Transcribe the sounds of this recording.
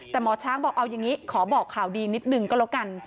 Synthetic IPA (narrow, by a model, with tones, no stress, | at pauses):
t̪ɛː˨˩mɔː˧t͡ɕʰaː˦˥ŋbɔː˨˩k̚ʔa˧wja˨˩ŋiː˦˥kʰɔː˩˦bɔː˨˩kʰːaː˨˩wdiː˧ni˦˥t̪̚nɯ˨˩ŋkɔː˥˩lo˦˥wka˧n